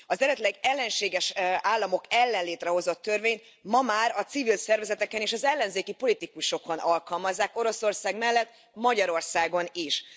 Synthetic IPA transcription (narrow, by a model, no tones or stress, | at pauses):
ɒzɛɾɛt̪lɛɡɛlːɛnʃeːɡɛʃaːlːɒmo̞kɛlːɛnleːt̪rɛɦo̞zo̞t̪ːø̞rveːɲt̪ | mɒmaːɾɒt̪sivilsɛrvɛzɛt̪ɛkɛneːʃɒzɛlːɛnzeːkipo̞lit̪ikuʃo̞ko̞nɒlkɒlmɒzːaːko̞ɾo̞so̞rsaːɡmɛlːɛt̪ː | mɒɟɒɾo̞rsaːɡo̞niʃ